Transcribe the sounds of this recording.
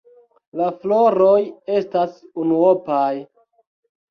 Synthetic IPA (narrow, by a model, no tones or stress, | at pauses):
laflo̞ɾo̞je̞stasunuopaj